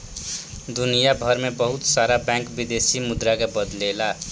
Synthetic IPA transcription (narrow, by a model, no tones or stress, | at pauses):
d̪unijabʱʌɾmebʌɦut̪saɾabãŋkbid̪esimud̪ɾakebəd̪lela